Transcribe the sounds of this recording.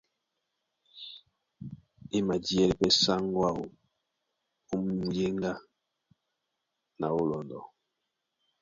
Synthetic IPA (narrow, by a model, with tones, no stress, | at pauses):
e˦ma˨di˦ɛ˦li˨pɛ˦sa˦ŋ˦ɡwa˦o̰˨ | u˦m˦mu˨je˦ŋɡa˦ | na˨o˦lɔ˨n˨dɔ̰˨